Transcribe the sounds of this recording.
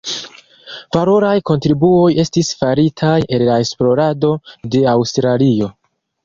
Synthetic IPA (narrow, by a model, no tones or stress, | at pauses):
valo̞ɾajko̞ntɾibuo̞je̞stisfaɾitʰajelːae̞splo̞ɾado̞de̞awstɾalio̞